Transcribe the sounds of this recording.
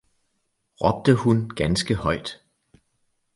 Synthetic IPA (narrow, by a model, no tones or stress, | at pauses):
ʁɒ̽b̥̚d̥əhunɡ̥ænsɡ̥əhɒ̽ɪd̥